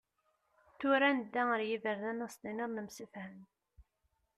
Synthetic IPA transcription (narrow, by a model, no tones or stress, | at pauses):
θuɾænəd̪ːæəɾjivəɾnænəsninəɾˤnəmsəfhəm